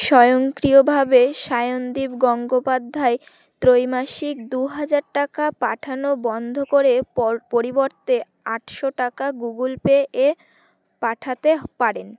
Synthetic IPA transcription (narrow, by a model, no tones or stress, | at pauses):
ʃɔjoŋkɾiobʱabeʃajond̪ibɡɔŋɡopad̪ʱːae | t̪ɾojmaʃik̚d̪uɦad͡ʑaɾʈakapaʈʰanobɔnd̪ʱokoɾepoɾiboɾt̪e | aʈʃoʈakaɡuɡulpeʔe | paʈʰat̪epaɾen